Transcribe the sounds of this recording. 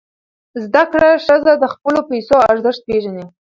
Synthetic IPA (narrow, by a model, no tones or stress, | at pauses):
zd̪akɽaʂəzad̪əxpəlopajsoaɾzəʂt̪̚peʒani